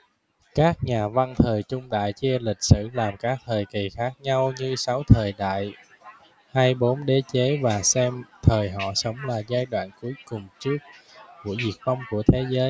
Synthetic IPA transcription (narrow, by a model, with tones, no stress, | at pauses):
kaː˦˥k̚ɲaː˨˩va˧nt̪ʰəː˨˩jt͡ɕʊ˧ŋ͡mɗa̰ː˧˨jt͡ɕi˧lï˨˩k̟̚sɨ̰˧˩˨laː˨˩mkaː˦˥k̚t̪ʰəː˨˩jki˨˩xaː˦˥k̚ɲa˧wɲɨ˧sa˨˦wt̪ʰəː˨˩jɗa̰ː˧˨j | haː˧jɓo˨˦nɗe˨˦t͡ɕe˨˦vaː˨˩sɛ˧mt̪ʰəː˨˩jɦɔ̰˧˨sə˨˦wŋ͡mlaː˨˩zaː˧jɗwa̰ː˧˨nku˨˦əjkʊ˨˩ŋ͡mt͡ɕɨ˦˥ək̚ku˧˩əzi˨˩ək̚va˧wŋ͡mku˧˩ət̪ʰe˨˦zəː˨˦j